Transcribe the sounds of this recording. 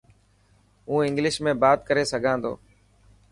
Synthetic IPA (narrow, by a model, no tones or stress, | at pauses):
ũːɪ̃ŋɡlɪʃmẽːbaːt̪kəɾeːsəɡʱãːnd̪o̰ː